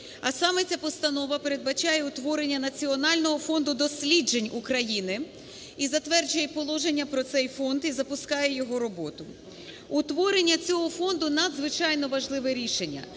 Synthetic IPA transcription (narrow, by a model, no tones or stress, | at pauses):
ɐsɑmɛt͡sʲapɔst̪ɐnɔʋɐpeɾe̞d̪̚bɐt͡ʃɑjɛʊt̪ʋɔɾe̞nʲːɐnɐt͡sʲiɔnɑlʲnɔɦɔfɔnd̪ʊd̪ɔsʲlʲid͡ʒenʲukɾɐjinɪ | izɐt̪ʋɛrd͡ʒʊjɛpɔlˠɔʒenʲːɐpɾɔt̪sɛjfɔnd̪izɐpʊskɑjɛjɔɦɔɾɔbɔt̪ʊ | ʊt̪ʋɔɾenʲːɐt͡sʲɔɦɔfɔnd̪ʊnɐd̪zʋɪt͡ʃɑjnɔʋɐʒlˠɪʋɪɾʲiʃenʲːɐ̰